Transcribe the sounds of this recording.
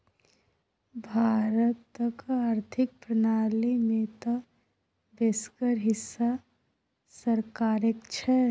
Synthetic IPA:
bʱaːɾət̪ːəkaɾt̪ʰɪk̚pɾənaːlimẽt̪ɔ | beːskəɾɦɪsːa | səɾkaːɾekt͡ʃʰɛ

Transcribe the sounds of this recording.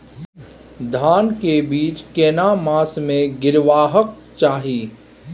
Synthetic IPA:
d̪ʱaːnkebiːt͡ʃkeːnamaːsmẽɡɪɾʋaːɦək̚ | t͡ʃaːɦiː

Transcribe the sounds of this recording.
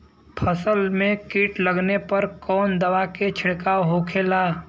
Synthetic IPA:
pʰəsəlmẽkiːʈʰləɡnepɐɾkɔːnd̪əwaket͡ʃʰɪɽkaɦokʰelaː

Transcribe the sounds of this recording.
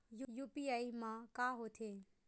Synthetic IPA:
jujuːpiːaːimãːkaːɦoːt̪ʰeː

